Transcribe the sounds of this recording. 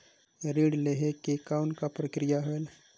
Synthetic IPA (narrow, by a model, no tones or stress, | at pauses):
ɾiːɽleɦekekaːwnkapɾəkɾɪjaɦoel